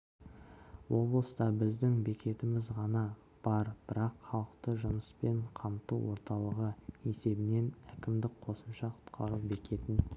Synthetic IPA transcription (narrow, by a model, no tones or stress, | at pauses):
wo̞blˠəst̪ɑbɪzd̪ɪŋbe̞kʲʰe̞t̪ɪmɪzʁɑnɑ | b̥ɑɾb̥ɪɾɑqχɑlˠəqt̪əʒʊməspe̞ɴqʰɑmt̪uwo̞̰ɾt̪ɑlˠəʁəe̞se̞bɪne̞nækʲɪmd̪ɪk̚qʰo̞səmʃɑqʰʊ̥t̪qʰɑɾubekʲʰe̞t̪ɪn